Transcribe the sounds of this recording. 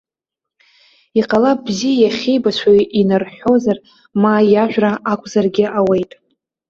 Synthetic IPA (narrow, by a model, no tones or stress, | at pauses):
iqʼalabzijajaχʲejbat͡ɕʷʰajinɨrħo̞zar | majaʒᶣʷraʔakʷʼzarɡʲɪʔawejtʼ